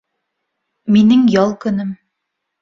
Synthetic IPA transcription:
minɘŋjɑlˠkɵ̆nɘm

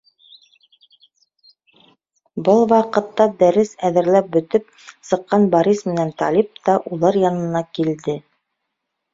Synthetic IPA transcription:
bɤlˠwɑqɤ̆t̪ːɑd̪æɾɘsæðɘ̆ɾlæp̚bɵ̆t̪ɵp̚ | sɤ̆qːɑnbɑɾismɘ̆nænt̪ɑ̰lʲip̚t̪ɑʔulˠɑɾjɑnɤ̆nɑkild̪ɘ

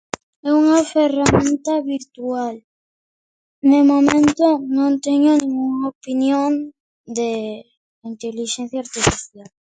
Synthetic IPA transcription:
ɛuŋaferamẽnt̪aβiɾt̪ual | nemomẽnt̪onõnt̪eɲonĩŋɡuŋaopinjõn | d̪e | int̪eliʃɛn̟θjaɾt̪ifiθjal

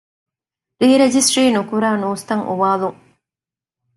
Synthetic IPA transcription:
ɾiːɾed͡ʒisʈɾiːnukuɾaːnuːst̪ɐŋʔṵʋaːluŋ

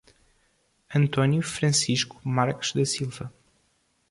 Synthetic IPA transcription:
ɐ̃nt̪ɔnjufɾɐ̃siʃku̥maɾku̥ʒ̥ðɐsilˠvɐ

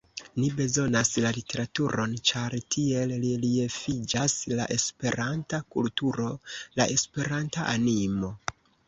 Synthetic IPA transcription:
nibe̞zo̞naslalite̞ɾatuɾo̞nt͡ʃaɾtʰie̞lliliefid͡ʒasla̰ʔe̞spe̞ɾantakultuɾo̞la̰ʔe̞spe̞ɾantaʔanimo̞

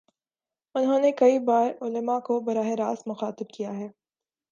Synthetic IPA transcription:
ʊnɦõːnekɐibaːɾʊləmakobɐɾaːɦɪɾaːsmʊxaːt̪ɪb̚kijaɦɛː

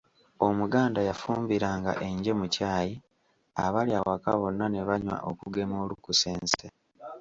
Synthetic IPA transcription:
o̞muɡaːndajafuːmbiɾaːŋɡa̰ʔe̞ɲɟe̞mucaːji | a̰βaljawaka̰βo̞nːane̞βaɲwa̰ʔokuɡe̞mo̞ːlukuse̞ːnse

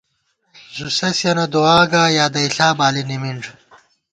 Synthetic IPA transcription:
zusɐsjɐnɐd̪oaːɡaːjaːd̪ɐiɬaːbaːlinimiɳɖ

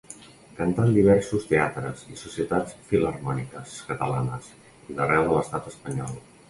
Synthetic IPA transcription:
kənt̪and̪iβ̞ɛɾsust̪eat̪ɾəzisusiət̪at͡sfilərmɔnikəskət̪əlanəs | iðərɛwðələst̪at̪əspəɲɔ̰lˠ

